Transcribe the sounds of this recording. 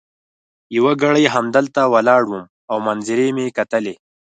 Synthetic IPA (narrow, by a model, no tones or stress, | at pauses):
jiwaɡaɽəjɦamd̪əlt̪awalɑːɽwum | awmanziɾemekat̪əle